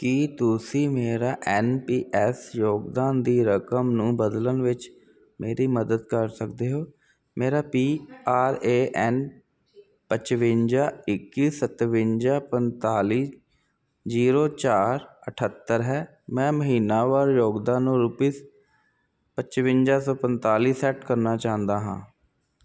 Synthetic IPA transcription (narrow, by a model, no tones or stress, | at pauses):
kit̪ʊsĩːmeːɾaːʔɛːnpiːʔɛsjoːɡd̪aːnd̪iːɾəkəmnũːbəd̪lənʋɪt͡ʃ | meːɾiːməd̪əd̪kəɾsəkd̪eːɦoː | meːɾaːpiːaːɾeːʔɛn | pət͡ʃʋɪnd͡ʒaːɪkːiːsət̪ʋɪnd͡ʒaːpənt̪aːliː | d͡ʒiːɾoːt͡ʃaːɾəʈʰət̪ːəɾɦɛː | mɛ̃ːməɦiːnaːʋaːɾjoːɡd̪aːnːũːɾʊpiːs | pət͡ʃʋɪnd͡ʒaːsɔːpənt̪aːliːsɛːʈkəɾnaːt͡ʃãːnd̪aːɦã̰ː